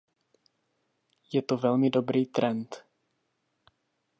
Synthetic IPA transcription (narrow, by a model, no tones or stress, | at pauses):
jɛt̪ovɛlmɪdo̞bɾiːt̪ɾɛnt̪